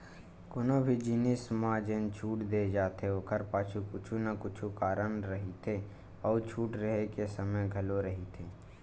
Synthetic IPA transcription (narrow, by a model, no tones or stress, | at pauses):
konobʱid͡ʒinɪsmãːd͡ʒẽːnt͡ʃʰuːʈd̪eːd͡ʒaːt̪eokʰəɾpaːt͡ʃʰukʊt͡ʃʰunɐkʊt͡ʃʰukaːɾənɾɐɦit̪ʰe | ɔːt͡ʃʰuːʈɾəɦekesəməjɡʱɐloɾɐɦit̪ʰeː